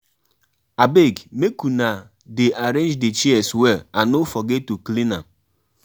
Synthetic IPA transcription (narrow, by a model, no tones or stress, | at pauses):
abeɡmekuna | deʔaɾẽnd͡ʒdet͡ʃiɛswɛanofɔɡetuklina̰m